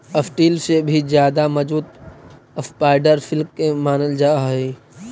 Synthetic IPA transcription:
əfʈiːlsebʱizjaːd̪amɐd͡ʒbuːt̪ | əspaːɪɖəɾfʰɪlkːemaːnəld͡ʒaːɦɛ

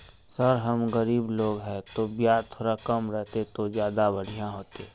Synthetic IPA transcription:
səɾɦəmɣəɾiːbloːɡɦɛt̪objaːɾt̪ʰoːɾakəmɾɛɦt̪et̪ozjaːd̪abəɽ̤ijãɦoːt̪eː

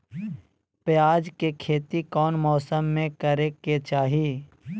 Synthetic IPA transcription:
pjaːd͡ʒkekʰeːt̪ikɔːnmɔːsəmːẽkəɾeket͡ʃaːɦiː

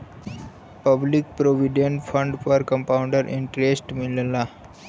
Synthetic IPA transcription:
pəblik̚pɾoʋiɖẽɳʈfʰə̃ɳɖfɔɾkə̃mpaʊɳɖəɾʔḭ̃ɳʈɾesʈmilla

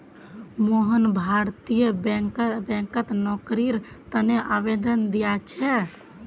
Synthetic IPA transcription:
moɦənbʱaɾt̪ijəbɛkbɛ̃kət̪nɔkɾiɾ | t̪əneʔabed̪ənd̪ijat͡ʃʰɛ

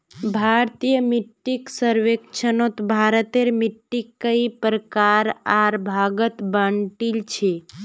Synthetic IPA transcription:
bʱaɾt̪ijəmiʈːiksəɾʋekt͡ʃʰənot̪bʱaɾət̪eɾmiʈːikːəipɾəkaɾaɾbʱaɡət̪bəɳʈilt͡ʃʰe

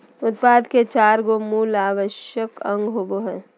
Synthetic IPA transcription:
ʊt̪paːd̪ket͡ʃaːɾɡomuːlaːʋəʃjəkə̃ŋɡɦoːboɦɛː

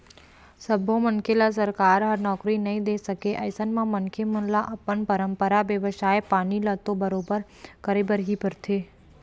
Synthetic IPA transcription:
səbʱõməŋkʰelas̬əɾkaːɾɦɐɾnɔːkɾinɐɦĩd̪eːsəkeʔɐɪsənmãmɐŋkʰemə̃nlaʔɐpənpəɾə̃mpəɾaʋjəʋəʃaːepaːnilat̪obɐɾoːbəɾ | kəɾebəɾɦipəɾt̪ʰeː

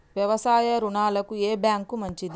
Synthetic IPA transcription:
ʋjɐʋɐsaːjɐɾuɳaːlɐkueːbjaːŋkumɐɲt͡ʃid̪i

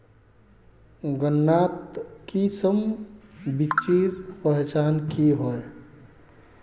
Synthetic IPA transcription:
ɡənːaːt̪kisəm | bit͡ʃiɾpəɦet͡ʃaːnkiɦoe

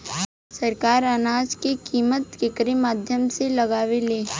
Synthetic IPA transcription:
sɐɾkaːɾənaːd͡ʒkekiːmət̪kɪkɾemaːd̪ʱjəmselɐɡaːʋeleː

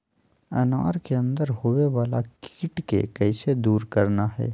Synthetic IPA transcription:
ɐ̰na̰ːɾkeə̃nd̪əɾhoʋeʋaːlaki̥ːʈkḛkɛɪsed̪uːɾkɐɾnaɦɛ̰ː

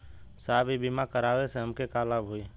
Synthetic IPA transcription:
saːbʱibimakəɾaːweseɦəmkekaːlabʱɦui

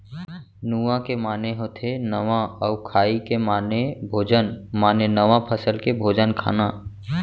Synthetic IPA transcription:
nuʋãkemaːneɦot̪ʰenəʋãɔːkʰaːikemaːnebʱoːd͡ʒənmaːnenəʋãpʰəsəlkebʱoːd͡ʒənkʰa̰ːnaː

